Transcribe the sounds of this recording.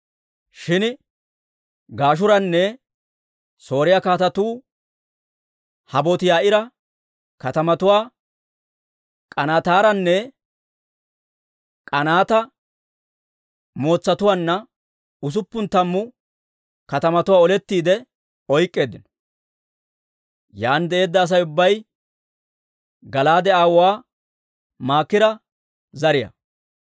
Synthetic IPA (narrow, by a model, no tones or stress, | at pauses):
ʃɪn | ɡaːʃ̬ʊɾɐnːɛ | so̞ːɾɪjakaːt̪ɐt̪uː | hɐbɔt̪ɪjaːɪɾɐ | kɐt̪ɐmɐt̪ʊwaː | kʼɐnaːt̪aːɾɐnːɛ | kʼɐnaːt̪ɐ | mo̞ːt͡sːɐt̪ʊwaːnːɐ | ʊs̬ʊpːʊnt̪ɐmːʊ | kɐt̪ɐmɐt̪ʊwaːɔlɛt̪ːiːd̪ɛ | ɔjkʼːe̞ːd̪ːɪnɔ | jaːnd̪ɛe̞ːd̪ːɐːs̬ɐjʊbːɐj | ɡɐlaːd̪ɛaːwwaː | maːkːɪɾɐ | zɐɾɪjɐ̰